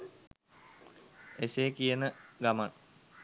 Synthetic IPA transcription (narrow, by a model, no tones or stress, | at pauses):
eseːkijənəɡamaŋ